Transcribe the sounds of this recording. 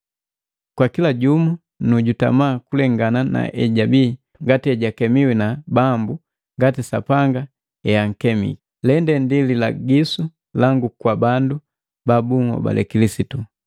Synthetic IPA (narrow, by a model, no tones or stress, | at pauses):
kwakilaɟumu | nuɟuta̰maːkulɛŋɡanana̰ʔɛɟabi | ŋɡatiɛɟakɛmiwinabambu | ŋɡatisapaŋɡa | ɛaŋ̩kɛmḭkilɛndɛndililaɡisu | laŋɡukwabandu | babuŋwɔ̰ba̰lʔɛ̰kilisitu